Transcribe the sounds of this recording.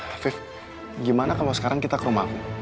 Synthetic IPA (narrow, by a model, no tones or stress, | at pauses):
fɪf | ɡimanakalawsə̥kaɾaŋkit̪akəɾomaku